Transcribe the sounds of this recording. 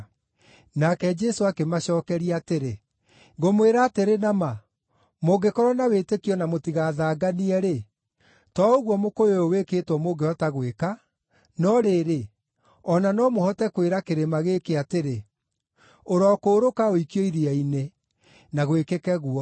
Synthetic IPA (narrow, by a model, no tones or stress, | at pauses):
nakɛd͡ʒɛsoakemaɕɔːkɛɾiateɾe | ŋɡomweɾaːteɾenama | moɡekɔɾwɔnawetekiɔnamotiɣaːðaːɡaniɛɾe | tɔoɣwɔmokojooweketwɔmoɡehɔtaɣweka | nɔɾeɾe | ɔnanɔmohɔtɛkweɾakeɾemaɣekeateɾe | oɾɔkoːɾokaoikjɔiɾiaine | naɣwekekɛɣuɔ